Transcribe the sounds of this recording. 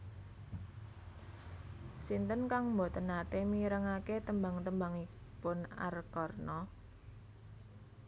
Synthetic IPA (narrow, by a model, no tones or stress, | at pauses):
sint̪ənkaŋmbo̤t̪ənat̪emiɾəŋaket̪əmbaŋt̪əmbaŋipʊna̰rkɔrnɔ